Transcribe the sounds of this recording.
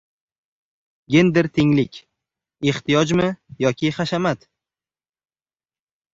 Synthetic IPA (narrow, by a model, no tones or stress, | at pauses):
ɡʲe̞nd̪ɪɾt̪ʰɪŋlɪkʲ | e̞χt̪ʰijɒd͡ʒmɪjɒkʲʰɪχaʃamat̪